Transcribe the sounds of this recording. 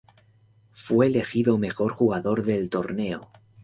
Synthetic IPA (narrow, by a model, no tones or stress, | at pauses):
fwe̞ːle̞xiðo̞me̞xo̞ɾxuɣaðo̞ɾðe̞lt̪o̞ɾne̞o̰